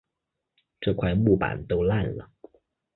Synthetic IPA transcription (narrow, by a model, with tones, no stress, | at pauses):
ʈ͡ʂɤ˥˩kʰwa˥˧ɪmu˥˩pa̰˨˩nt̪o˥ʊla˥˩nlə̰˩